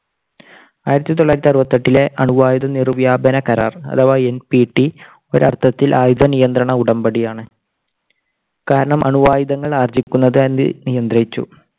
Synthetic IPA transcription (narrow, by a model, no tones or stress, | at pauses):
aːjiɾɐt̪ːit̪̬oɭːaːɾɐt̪ːiɐrʋɐt̪ːɐʈːile̞ʔɐɳuʋaːjud̪ɐnirʋjaːbɐnɐkɐɾa̰ːrɐ̰t̪ʰɐʋaenpiʈːi | o̞ɾɐrt̪ʰːɐt̪ːilʔaːjud̪ʱɐnijɐnd̪ɾɐɳɐuɽɐmbɐɽijaːɳɨ | kaːɾɐɳɐmʔɐ̰ɳuʋaːjuðɐŋːɐɭaːrd͡ʑikʲːunːɐðɨn̰ːnijɐnd̪rɐjit͡ɕːṵ